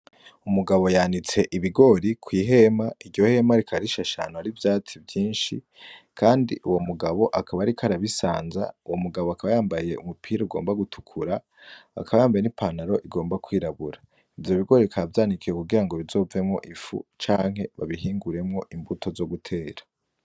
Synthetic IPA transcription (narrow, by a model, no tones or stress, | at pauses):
umuɡaβo̞jandit͡se̞ʔiβiɡo̞ɾikwiːɦe̞maiɟɟo̞he̞maɾikʰaɾiʃaʃa̰noaɾivjaːt͡sivjiːnʃḭ | kʰaːndḭʔuwo̞muɡaβo̞ʔakʰaβaɾikaɾaβisaːnza̰uwo̞muɡaβo̞akaβajaːmbaje̞umupʰiːɾouɡo̞̰ːmbaɡutʰu̥kʰuɾa | a̰kaβajaːmbajenipʰanaɾo̞ʔiɡo̞ːmbakwiːɾaβuɾa | ivjo̞βiɡo̞ɾiikʰaavjaːnikije̞kuɡiɾaŋɡo̞βizo̞ːve̞mŋo̞̰ʔifṵt͡ʃaːŋ̥ɦe̞βa̰βiɦiːŋɡuɾe̞mŋo̞ʔimbutʰo̞zo̞ɡutʰe̞ːɾḁ